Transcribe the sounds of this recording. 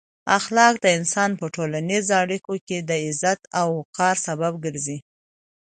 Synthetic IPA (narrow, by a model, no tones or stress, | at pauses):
axlɑk̚d̪əɪnsɑnpəʈolanizoaɽikoked̪əɪzat̪awkɑɾsabab̚ɡəɾzi